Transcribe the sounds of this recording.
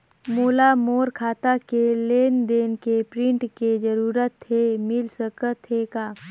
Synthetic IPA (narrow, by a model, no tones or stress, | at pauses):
moːlamoːɾkʰaːt̪akeleːnd̪eːnkepɾɪ̃ɳʈked͡ʒəɾuːɾət̪ɦemɪlsəkət̪ɦekaː